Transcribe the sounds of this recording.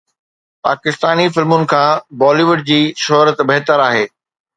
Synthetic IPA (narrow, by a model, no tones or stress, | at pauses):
pa̰ːkɪst̪aːnifɪlmʊnɪ̆kʰãːbɔːliʋʊɖ̚d͡ʑiːʃɔːɾət̪bɐɦt̪əɾaːɦeː